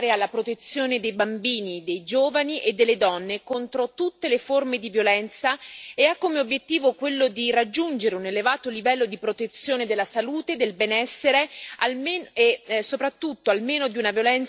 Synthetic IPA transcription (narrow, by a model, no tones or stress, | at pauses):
ɾealːapɾot̪et̪sːjoːned̪ejbambiːnid̪ejd͡ʒoːvaniʔed̪ːelːed̪ɔnːekont̪ɾot̪ut̪ːeleformed̪ivjolɛnt̪saeakːomeobjet̪ːiːvokwelːod̪irad͡ʒːund͡ʒeɾeunelevaːt̪olivɛlːod̪ipɾot̪et̪sːjoːned̪elːasaluːt̪ed̪elbɛnɛsːeɾealmesːopɾat̪ːut̪ːoalmeːnod̪iunavjolɛn